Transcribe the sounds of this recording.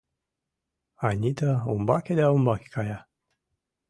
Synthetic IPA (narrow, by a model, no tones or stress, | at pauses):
anʲit̪əṵmbakʲed̪eaumbakʲe̥kaja